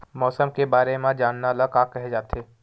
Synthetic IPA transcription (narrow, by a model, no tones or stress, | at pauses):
mɔːsəmkebaːɾemãd͡ʒaːnːaləkaːkɛɦed͡ʒaːt̪eː